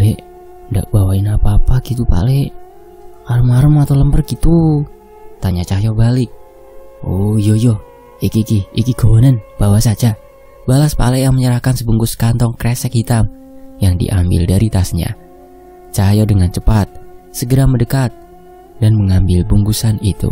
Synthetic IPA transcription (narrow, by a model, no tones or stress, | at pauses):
ale | nda̰ʔbawaɪnapaːpaɡit̪upa̰lɛ | aɾəmaɾəmat̪awləmpərɡit̪u | t̪aɲat͡ʃajobalɪk̚ | ojojo | ikikiikiɡowonənb̥awasad͡ʒa | balaspa̰lɛjaŋməɲəɾahkansəbuŋɡʊskant̪ɔŋkɾesɛk̚hit̪am | jaŋdḭʔambɪ̰ldaɾit̪asɲa̰ | t͡ʃajɔdəŋant͡ʃəpat̪̚səɡəɾamədəkat̪̚ | danməŋambɪlbuŋɡusanit̪ṵ